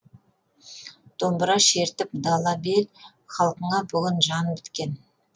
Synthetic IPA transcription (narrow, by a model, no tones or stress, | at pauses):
d̪̥o̞mbəɾɑʃe̞ɾt̪ɪp̚d̪ɑlˠɑbel | χɑlˠqəɴɑbʏɡʲɪnʒɑnbɪt̪kʲe̞n